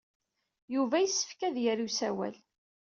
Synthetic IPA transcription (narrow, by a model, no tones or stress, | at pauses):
juvæjəsːə̥fkæðjəɾusæwæ̰l